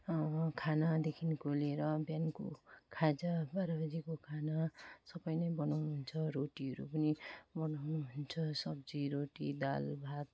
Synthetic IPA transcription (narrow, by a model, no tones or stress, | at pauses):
kʰanad̪ekʰinkoleɾʌbjanko̰kʰad͡zʌbaɾabd͡zikokʰanasʌbʌjnʌjbʌnawnuɦunt͡sʰʌɾoʈiɦʌɾṵpʌnibʌnawnuɦunt͡sʰʌsʌb̚d͡ziɾoʈḭd̪a̰lbʱat̪̚